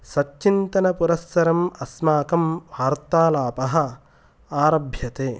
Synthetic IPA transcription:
sɐt͡ʃt͡ʃint̪ɐnɐpuɾɐsːɐɾɐmɐsmaːkɐmbʱaːɾt̪aːlaːpɐɦɐ̆ | aːɾɐbʱjɐt̪eː

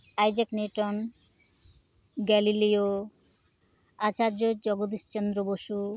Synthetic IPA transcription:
ajd͡ʑɛkneʈɔn | ɡɛlilio | at͡ɕad͡ʑod͡ʑɔɡod̪ist͡ɕend̪ɾoboʃu

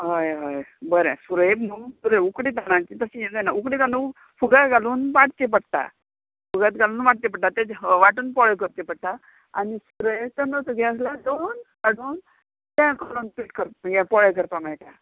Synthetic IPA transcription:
ɦəjɦəjbəɾẽsuɾəjbnusuɾeukɽit̪anãt͡ɕit̪əsijɛd͡z̪anaukɽikanu | fuɡat̪ɡaluːnʋaʈt̪ep̬əɽt̪a̰ | fuɡat̪ɡaluːnʋaʈ̚t̪ep̬əɽ̚t̪at̪ẽʋaʈuːnpɔɭejkəɾt̪epəɽt̪a | a̰nisuɾət̪ənət̪əɡɛ̃əs̬lad̪onkaɽuːn | t̪ãkɔlonpiʈkəɾɡɛ̃pɔɭəjkəɾpamajt̪a

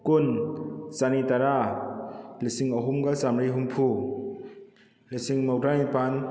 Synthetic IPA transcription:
kunsanitaɾa | lisiŋɐɦumɡasamɾiɦumpʰu | lisiŋmawdɾanipan

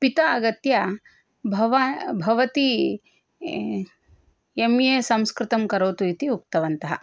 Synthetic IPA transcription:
pit̪ɐːɡɐt̪jɐ | bʱɐʋɐbʱɐʋɐt̪i | emjesɐ̃mskɾɪt̪ɐmkɐɾoːt̪uit̪iuk̚t̪ɐʋɐnt̪ɐɦɐ̰

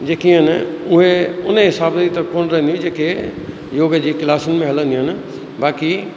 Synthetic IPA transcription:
d͡ʑeːkĩɦənʊɦẽʊnɦɪsaːbit̪ɐkoːnɾɐ̃nd̪id͡ʑeːke | joːɡd͡ʑiːkɪlaːsʊnɪ̆mẽɦɐlə̃nd̪iɦən | baːki

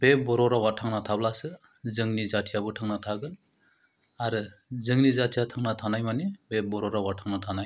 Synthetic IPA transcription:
b̥ebɔɾɔɾawatʰaŋnatʰablasɯ | zɯŋnizatʰijabɯtʰaŋnatʰaɡɯl | aɾɯzɯŋnizatʰijatʰaŋnatʰanajmanibebɔɾɔɾawatʰaŋnatʰanaj

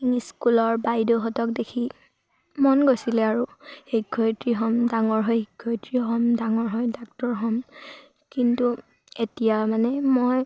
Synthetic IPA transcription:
iŋiskulɔɹbajdoxɔtɔk̚dekʰi | mɔnɡojsilɛaɹuheɡʰʱɔjtɹiɦɔmdaŋɔɹɦɔjɦikʰːɔjtɹiɦɔmdaŋɔɹɦɔjdak̚tɔɹɦɔm | kintu | etijamanɛmoj

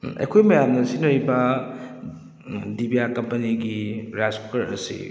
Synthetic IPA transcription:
ɐ̰jkʰojmɐjamnɐsinɐɾibɐ | dibijakɐmpɐniɡiɾaspɐɾɐ̰sḭ

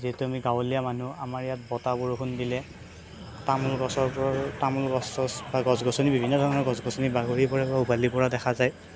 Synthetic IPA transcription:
ziɛtuamiɡawɔlijamanuamaɹijat̚bɔtabɔɹkʰundilɛ | tamulɡɔsɔpɔtamulɡɔsɔbaɡɔzɡɔsɔnibibʱinːɔdʱɔɔnɔɹɡɔzɡɔsɔnibaɡoɹipɔɹapaubalipɔɹadɛxʰazaj

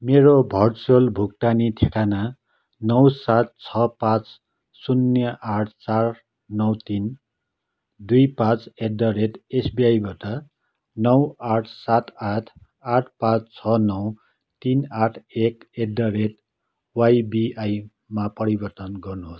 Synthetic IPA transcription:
meɾobʱʌrt͡solbʱuk̚ʈanit̪ʰekana | nʌwsat̪̚t͡sʰʌpãt͡s | sunjʌʔaʈʰt͡sar | nʌwt̪in | d̪ujpãt͡sedːʌɾeʈesbiajbaʈʌ | nʌwaʈʰsat̪aʈʰ | aʈʰpãt͡st͡sʰʌnʌw | t̪inaʈʰekedʌɾeʈ | wajbiʔaj | mapʌɾibʌrt̪ʌnɡʌrnuɦos

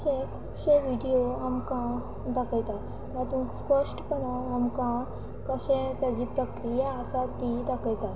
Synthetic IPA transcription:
ɕẽkʰubɕẽʋiɽijoamkã | d̪akəjt̪a | jat̪ũspəʂʈpənaamkã | kəɕẽt̪jad͡ʑiːpɾəkɾijaəsat̪id̪akəjt̪a

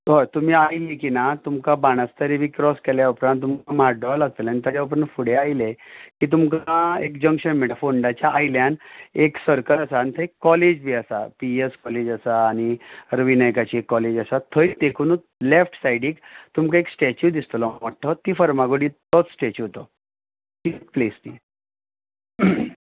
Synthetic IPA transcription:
ɦəɾt̪um̤iːajlikinat̪umkabaɽ̃ast̪əɾibʱikɾɔskɛljaupɾãnt̪ːumkamaɾɖɔlaɡ̚t̪elanit̪ad͡ʑjaup̬ɾanfuɽeajlekiːt̪̬umkaekd͡ʑəŋkɕənmeʈafoɳɖat͡ɕjaʔːjljaneksəɾkələsaːnit̪ʰəekːɔled͡ʑbʱiːasa̰pieskɔled͡ʑəsaːñiɾəʋinajkat͡ɕiekːɔled͡ʑəsat̪ʰəjt̪ekʰuːnu | lefʈsaiɽiːkt̪umkaeksʈet͡ɕud̪ist̪əlɔməʈʰːət̪iːfəɾmaɡoɽit̪ɔt͡ssʈet͡ɕuot̪ɔ | t̪iplesbi

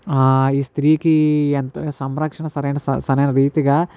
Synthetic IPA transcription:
iːst̪ɾiːkient̪sɐmɾɐkʂɐɳɐsɐɾeːnɐsɐ̰sɐnɐjɐnɐɾiːt̪iɡɐ

